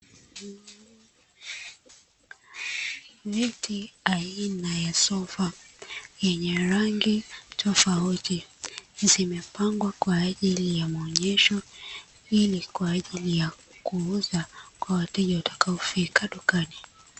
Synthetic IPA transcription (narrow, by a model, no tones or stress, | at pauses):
vitiainajasɔfajɛɲɛɾaŋɡitʰɔfautizimɛpaŋɡwakwaːʄilijamaɔɲɛʃɔ | ilikwaːʄilija | kuuzakwawatɛʄawatḁkaɔfikʰaɗukani